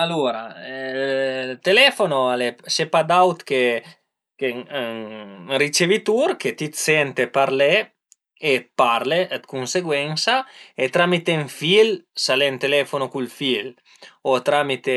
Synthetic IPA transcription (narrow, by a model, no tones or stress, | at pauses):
aloɾa̰ | t̪elɛfonoalesepad̪awt̪ke | ke | rit͡ʃevit̪uɾket̪it̪sɛnt̪epaɾleː | paɾled̪kunseɡwɛnsaet̪ɾamit̪eɱfilsalent̪elɛfonokulfil | ot̪ɾamit̪e